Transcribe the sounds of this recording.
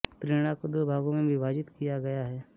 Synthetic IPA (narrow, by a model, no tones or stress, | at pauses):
t̪ɾeːɽ̃akod̪oːbʱaːɡõmẽbʱɪbʱaːd͡ʒɪt̪kijaɡɐjaɦɛː